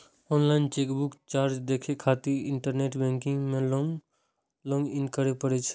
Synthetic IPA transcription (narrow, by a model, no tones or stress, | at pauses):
ɔnlaɪnt͡ʃekbukt͡ʃaɾd͡ʒd̪ekʰekʰat̪iɾɪɳʈəɾneʈbɛ̃ŋkĩŋɡmẽlɔŋ | lɔ̃ŋɡinkəɾepəɽɛt͡ʃʰ